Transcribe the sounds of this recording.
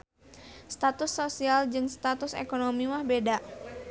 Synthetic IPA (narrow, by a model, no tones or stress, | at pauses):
st̪at̪ʊsːosiald͡ʒɨŋst̪at̪ʊsḛkonomimahbeda